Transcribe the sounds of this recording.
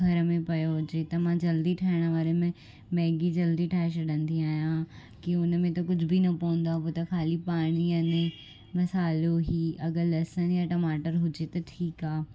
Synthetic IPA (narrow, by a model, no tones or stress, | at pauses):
ɡʱɐɾəmẽpɐjoɦʊd͡ʑet̪ɐmãd͡ʑɐld̪iʈʰɐɦɪɽ̃əʋaːɾemẽ | mɛːɡid͡ʑɐld̪iʈʰaːɦes̬ɐɗə̃nd̪iaːɦijã | kiʊnmẽt̪ɐkʊd͡ʑʱʊbinɐpoʋə̃n̆d̪apot̪ɐkʰaːlipaːɽ̃iɐnẽ | mɐsaːloɦiːɐɡəlɐsənjaʈɐmaːʈəɾɦʊd͡ʑet̪ɐʈʰiːkaː